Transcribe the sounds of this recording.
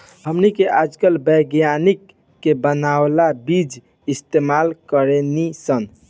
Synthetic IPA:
həmnikeʔad͡ʒkəlbəɡjanikː | ebənawlabid͡ʒ | ist̪emalkəɾenisən

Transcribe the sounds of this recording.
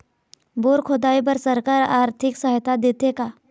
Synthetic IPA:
boːɾkʰod̪aːip̬əɾsɐɾkaɾaːɾt̪ʰɪksəɦt̪ad̪eːt̪ekaː

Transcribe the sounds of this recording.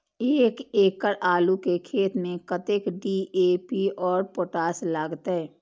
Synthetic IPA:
eːkeːkəɾaːlukekʰeːt̪mẽkət̪ekɖiːeːpiɔːɾpoːʈaːslaːɡt̪ɦɛː

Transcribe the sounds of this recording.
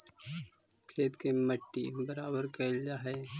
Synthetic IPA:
kʰeːt̪kemɐʈːibɐɾaːbəɾkɐld͡ʒaɦɛː

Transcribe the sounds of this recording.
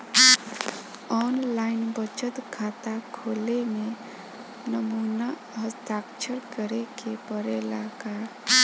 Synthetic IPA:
ɔnlaɪnbət͡ʃət̪ɡʰʱat̪akʰoleme | nəmuna | ɦəst̪akt͡ʃʰəɾkəɾekepəɾelaka

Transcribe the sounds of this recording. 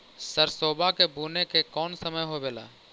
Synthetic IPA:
səɾsoːbʱakebʱuːnekekɔːnsəməjɦobeːla̰ː

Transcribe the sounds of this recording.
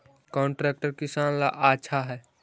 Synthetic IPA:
kɔɳʈɾɛk̚ʈəɾkisanla̰ʔat͡ʃʰaɦɛ

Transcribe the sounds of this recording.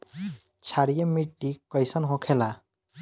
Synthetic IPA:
t͡ʃʰaɽijemiʈːikʌjsʌnɦõkʰela

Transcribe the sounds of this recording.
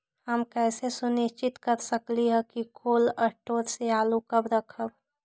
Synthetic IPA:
ɦəmkɛːsesʊnɪʃt͡ʃɪt̪kəɾsəkliɦɛkikʰoːləʈoːɾseaːlukəbɾəkʰəb

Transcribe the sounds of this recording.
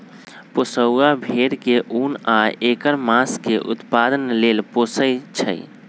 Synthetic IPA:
posəabʱeɾkeʔunaekəɾmaskeʔṵt̪pad̪ənlelposəjt͡ʃʰə̰j

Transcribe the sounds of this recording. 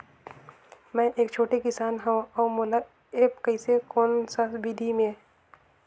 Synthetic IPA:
mɛ̃ːʔeːkt͡ʃʰoːʈekɪsaːnɦɛ̃ɔːmola | eːpkəɪsekoːnsasbid̪ʱimẽ

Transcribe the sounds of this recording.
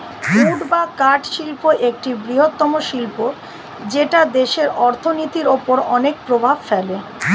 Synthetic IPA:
muɖbakaɾʈʃilpoʔek̚ʈibɾiɦot̪ːɔmoʃilpo | d͡ʑeʈad̪eʃeɾɔɾt̪ʰonit̪iɾopoɾɔnek̚pɾobʱabfɛle

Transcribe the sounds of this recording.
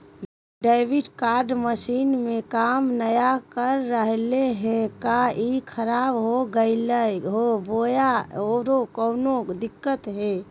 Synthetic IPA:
ɖeɪʋiɖkaːɾɖməsiːnmẽkamnəjakəɾːəɦleɦɛ̃kaikʰəɾaːbɦoɡəɪləjɦoʋojaoɾokəʊnod̪ɪkːət̪ɦe

